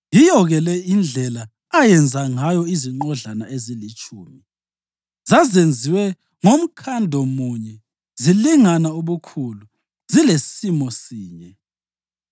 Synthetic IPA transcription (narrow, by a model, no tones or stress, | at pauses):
jijɔɣɛlɛind͡ɮʱɛlaː | jɛnd͡zʱaŋajɔiziŋ͡ǃɔɮanaezilit͡ʃʰʼuːmi | zazend͡zʱiwɛ | ŋom̩kʰandʱɔmuɲɛ | ziliŋanauβukʰulu | zilessimɔsiːɲɛ